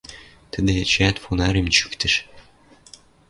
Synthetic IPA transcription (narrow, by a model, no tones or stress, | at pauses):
t̪ə̆d̪et͡ɕæt̪fonɑɾemt͡ɕykt̪ɘ̆ʃ